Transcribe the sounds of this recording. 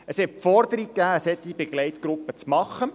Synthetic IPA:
əshɛt̚pfɔrd̪əɾikkːæːəshɛt̪ːibeɡlɛɪt̪ɡ̥ɾʊpːət͡smɑχːə

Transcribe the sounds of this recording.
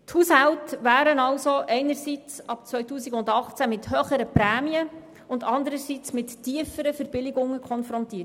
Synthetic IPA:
thushæltəvæːɾənɑlsoʔɛɪnəɾsit͡sɑpt͡sʋœʏtuːsiɡʊndɑχt͡sæmɪthøːχəɾəpɾæːmiə | ʊndɑndəɾəsit͡smɪtːiəfəɾəfəɾb̥ɪlɪɡʊŋəkʰχɔnfɾɔntiət

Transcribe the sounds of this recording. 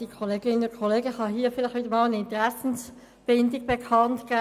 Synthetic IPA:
d̥ikʰoleːɡ̥ɪnʊkʰoleːɡəhɑɦiːəfɪlɪχʋɪdəmɑːlənɪntəʁɛsn̩s | b̥ɪndɪɡ̚b̥ekʰɑntkaː

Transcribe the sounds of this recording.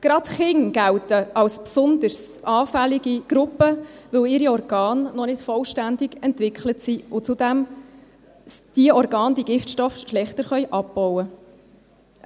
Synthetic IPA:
ɡ̥ɾɑtχɪŋɡ̥æwtəɑwspsʊnd̪əɾsʔɑːfælɪɡiɡ̥ɾʊpəʋɵwɪɾiɔrɡ̥ɑːnːɔnɪtfɔlʃtænd̪ɪɡɛntʋɪkχlətsiʊt͡sud̥̪æm | d̥iəɔɾɡɑːnd̥iəɡɪftʃtɔfʃlɛχtəɾχœjʔɑb̚b̥ɔwə

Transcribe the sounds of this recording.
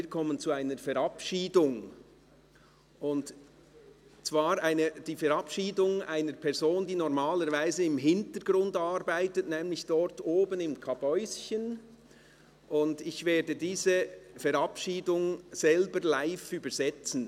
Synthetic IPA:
iːkʰɔmənt͡suaɪnəɾfɛɾɑpʃiːdʊŋ | ʊnd | t͡sv̥aːɾaɪnəd̥iːfɛɾɑpʃiːdʊŋaɪnəɾpʰɛɾzoːnd̥iːnɔʁmaːləɾvaɪzəɪmɦɪntəɾɡ̥ɾʊndɑɾbaɪtətnɛːmlɪçd̥ɔɾtoːbənɪmkʰɑbɔʏsçən | ʔʊndɪçveːdədiːzəfɛɾɑpʃiːdʊŋz̥ɛlbəɾlaɪfyːbəɾz̥ɛt͡sn̩

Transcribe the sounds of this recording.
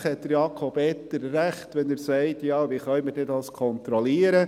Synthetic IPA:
χhɛt̚d̥̪əɾjɑkʰɔbɛt̪ːəɾːæχtʋɛnəɾsɛɪtjɑːʋiːχœʏməɾdɛdɑskʰɔnt̪ɾɔliːəɾə

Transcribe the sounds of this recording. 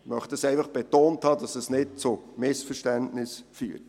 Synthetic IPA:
mœχtəsɛɪfɑχb̥ɛtoːnthɑːdɑsəsnɪt̚t͡sʊmɪsfəʃtæntnɪsfy̰ːɾ

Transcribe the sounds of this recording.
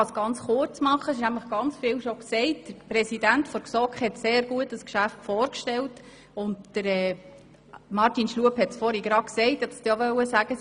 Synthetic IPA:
ɑsɡ̥ɑnt͡sχʊrt͡smɑχːəɪʃnæmləχɡ̥ɑnt͡sfɪlʃɔksɛɪtd̥əɾpɾɛsidæntfɔɾksɔkχhɛtseːɾɡuətdəskʃæftfɔːɾkʃtɛlt | ʊntd̥əɾɛː | mɑrtinʃluəphɛtt͡sfɔɾiɡɾɑksɛɪthɛtstɑʋœwəsæɡ̥ə

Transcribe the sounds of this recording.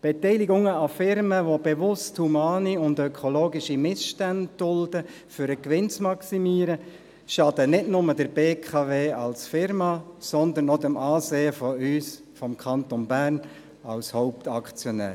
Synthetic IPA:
b̥ɛtɛɪliɡʊŋəɑfɪɾməʋobeʋʊsthumɑːniʊndœkʰoloːɡiʃimɪsʃtænd̚d̥ʊld̥ə | fʏɾəkʋɪnt͡smɑksimiːɾə | ʃɑdənɪdnʊmədəɾb̥eːkʰɑveːɑlsfɪɾmɑsɔnd̪ənɔd̪əmɑːseːəfɔyːs | fɔmkʰɑnt̪ɔnbæːrn | ɑlshɔʊp̚tɑkt͡sjɔnæ̰ː

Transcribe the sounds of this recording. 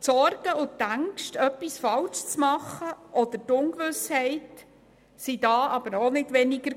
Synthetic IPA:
tsɔɾɡ̥əʊt̪ːæŋkʃtœpːisfɑlʃt͡smɑχːəʔɔd̪əɾtʊŋkʋʏshɛɪt | sidɑːʔɑbəɾonɪdʋɛnɪɡəɾ

